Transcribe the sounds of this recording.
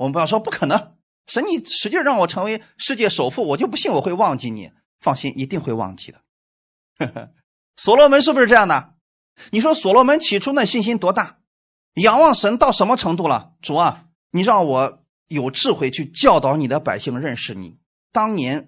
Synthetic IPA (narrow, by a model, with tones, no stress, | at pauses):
wɔ˨m˧pjɑ˥˩ʊʂwɔ˥pu˥˩kʰɤ˨˩nɤ˧˥ŋ | ʂə˧˥nni˨˩ʂɻ̩˧˥t͡ɕi˥˧ʂɻɻɑ˥˩ŋwɔ˨˩ʈ͡ʂʰɤ˧˥ŋwe˧˥ɪʂɻ̩˥˧t͡ɕjɛ˥˩ʂo˨˩ʊfu˥˩wɔ˨˩t͡ɕjo˥˧ʊp̬u˧˥ɕi˥˩ŋwɔ˨˩we˥˧ɪwɑ˥˧ŋt͡ɕi˥˩nḭ˨˩ | fɑ˥˧ŋɕi˥nʔi˧˥t̪i˥˧ŋxwe˥˧ɪwɑ̰˥˩ŋt͡ɕi̥̰˥˩d̪ə˩ | swɔ˨˩lwɔ˧˥mə˧˥nʂ̬̩˥˩p̬ʂɻ̩˥ʈ͡ʂɤ˥˧jɑ˥˩ŋd̪ə˩ə˩ | ni˨˩ʂ̬wɔ˥swɔ˨˩lwɔ˥mə˧˥nt͡ɕʰi˨˩ʈ͡ʂʰu˥na˥˧˩ɕi˥˩nɕi˥nt̪wɔ˥t̪a˥˩ | jɑ˨˩ŋwɑ˥˩ŋʂə˧˥nt̪ɑ˥˩ʊʂnmə˧ʈ͡ʂʰɤ˧˥ŋt̪u˥˩lə̰˩ | ʈ͡ʂu˨˩ɐ˧˩ | ni˨˩ɻʊwɔ˧˥ | jo˨˩ʊʈ͡ʂɻ̩˥˧xwe˥˧ɪt͡ɕʰy˥˧t͡ɕjɑ˥˧ʊt̪ɑ˧˥ʊni˨˩d̪ə˦pa˨˩ɪɕi˥˧ŋɻə˥˧nʂɻ̩˨˩nḭ˨˩˦ | t̪ɑ˥ŋnjɛ˧˥n